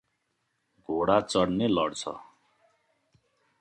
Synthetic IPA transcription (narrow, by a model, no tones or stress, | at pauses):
ɡʱoɽat͡sʌɽnelʌɽt͡sʰʌ̰